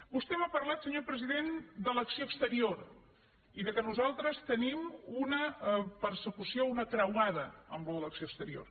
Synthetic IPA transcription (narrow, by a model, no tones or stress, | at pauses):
bust̪ɛmapərlat̪səɲopɾəziðend̪ələksioəkst̪əɾioɾ | iðəkənuzalˠt̪ɾəst̪ənimunəpəɾsəkusiounək̪ɾəwað̞əəmbləələksioəst̪əɾio̰r